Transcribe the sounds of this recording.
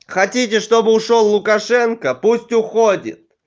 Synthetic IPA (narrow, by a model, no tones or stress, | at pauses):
xɐtʲitʲɪʂt̪obɨʊʂolˠːʊkɐʂɛnkəpusʲtʲʊxodʲɪ̰t̪̚